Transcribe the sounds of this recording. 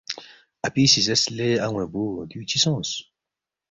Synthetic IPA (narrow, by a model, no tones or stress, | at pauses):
apisizɛsleaŋw̃ɛ̃budyt͡ʃisɔ̃s